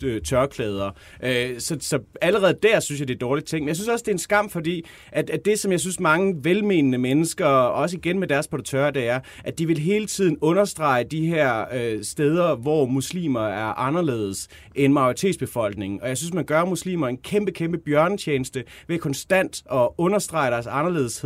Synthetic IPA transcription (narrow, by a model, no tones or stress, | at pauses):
øt͡sʰɶɐkʰlɛːð̞ˠɐ | ʔøsɒ̽sɒ̽æləʁɛːð̞̩ˠd̥æɐ̰synsjɑd̥eɐd̥ɒːlid̥̚t͡sʰe̝ŋ̰menjaɪsyn̩sɒ̽sə̥d̥e̝ensɡ̥ɑ̈m̰fɒ̽d̥ḭː | ʔæ̥æd̥e̝sɒ̽mjɑ̈ɪsynsmɑ̈ŋəʋelme̝ːnənəmenəsɡ̥ɐɒ̽s̬əiɡ̥enmed̥æɐspʰoɾ̥t͡sʰøːɐd̥eæɐ | ʔæd̥iʋe̝lɦe̝ːlət͡sʰið̞̰ˠn̩ɔ̽nɐsd̥ʁɑ̈ɪəd̥iɦæɐ̰øsd̥eːð̞ˠɐʋɒmuslḭːmɐæɐʔɑ̈nɐle̝̰ːð̞ˠs | ʔenmɑ̈ɪoʁit͡sʰe̝̰ːdsb̥e̝fɒ̽l̰ɡ̥ne̝ŋ̩ɒ̽jaɪsyns̬mænɡ̥ɶɐmuslḭːmɐe̝nkʰemb̥əkʰemb̥əb̥jɶɐnət͡ɕʰjeːnəsd̥əʋekʰɒ̽nsd̥æn̰d̥ɒ̽ɔ̽nɐsd̥ʁɑ̈ɪɾ̥æɐsɑ̈nɐle̝̰ːðˠshe